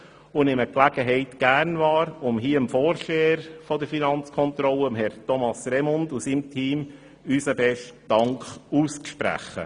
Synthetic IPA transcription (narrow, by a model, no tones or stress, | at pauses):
ʊnɪməklæɡ̥əɦɛɪtɡ̥æɾnvɑːɾʊmɦiːəəmfoːɾʃeːəɾfɔdəɾfinɑnt͡skʰɔnt̪ɾɔləəmɦɛɾtɔmɑsɾɛmʊndusimtʰiːm | ysəbɛʃtd̥ɑŋkχuːst͡sʃpɾæ̰χːə̰